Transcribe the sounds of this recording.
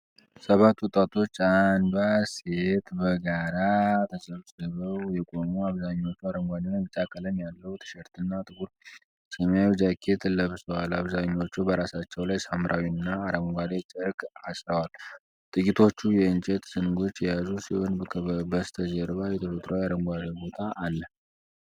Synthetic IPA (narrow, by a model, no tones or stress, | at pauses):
səβat̪ːwʊt̪ʼat̪ʰo̞t͡ʃːand̪aset̪bəɡaɾat̪ʰəzəβsəβəwjɛkʼo̞muaβzaɲːo̞t͡ʃːuaɾəmɡʷad̪enmɨt͡ʃʼakʼələmjalːəwut̪ʰɨ̥ʃɛɾt̪ʰɨnːat̪ʼɨkuɾ | sʼemjawid͡ʒakʰe̞t̪ʰlːəβsəwalaβzaɲːo̞t͡ʃːubəɾasat͡ʃːɛwlajsamɾʔawinːaːɾəmɡʷad̪et͡ʃʼɨɾkasɾəwal | t̪ʼɨkʼit̪ʰo̞t͡ʃːujɛɨnt͡ʃʼɛt̪sɨnɡo̞t͡ʃːjɛjazusiho̞nʰbəst̪ʰəzəɾβajɛt̪ʰəfət̪ʼɾʔəwaɾəŋɡʷad̪əbo̞t̪ʰaʔːlːə